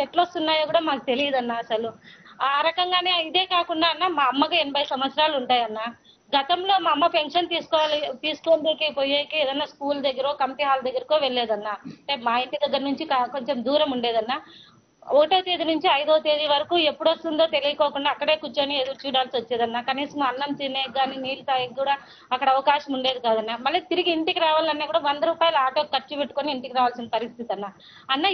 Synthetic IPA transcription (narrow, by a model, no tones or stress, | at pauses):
eʈlost̪unːaːjokuːɽaːmaːkut̪e̞lijɐd̪ɐnːaːɐsɐluaːɾɐkɐŋɡaːne̞ːid̪e̞ːkaːkuɳɖaːɐnːaːmaɐmːɐkuenːɐbʱɐjsɐmʋɐt̪sɐɾaːluɳʈaːjɐnːaː | ɡɐt̪ɐmlo̞ːmamːɐpe̞ŋkʂɐnt̪iːsu̥kɔːalt̪iːsu̥koːnd̪eːkepojeːkeeːd̪ɐnːaːskuːld̪ɐɡːɐɾoːkɐmpiɦaːld̪ɐɡːɐɾɐkoːʋeɭːeːd̪ɐnːaːemaːent̪id̪ɐɡːɐɾnuɲt͡ʃikako̞ɲt͡ʃe̞md̪uːɾɐmuɳɖe̞ːd̪ɐnːaː | okɐʈoːt̪eːd̪inuɲt͡ʃiɐjd̪oːt̪eːd͡ʒ̪iʋɐɾɐkuːe̞pːuɽɐst̪und̪oːt̪e̞lijɐkɔːkuɳɖaːkːɐɽe̞ːkut͡ʃːoːnied̪ut͡ʃuːɽaːlsiʋɐt͡ʃːeːd̪ɐnːaːkɐniːsɐmɐnːɐmt͡ʃ̪ineːɡaːniniːlut̪aːjiɡuːɽaː | ɐkːɐɽɐːʋɐkaːʃɐmuɳɖe̞ːd̪ikaːd̪ɐnːaːmɐlːit̪iɾiɡiːɳʈikiɾaːʋaːlɐnːaːkuːɽaːʋɐnd̪ɐɾuːpaːjɐlaːʈoːkɐt͡ʃːupeʈːukoniːɳʈikiɾaːʋaːlsinɐpɐɾist̪ʰit̪iɐnːaː | ɐnːaː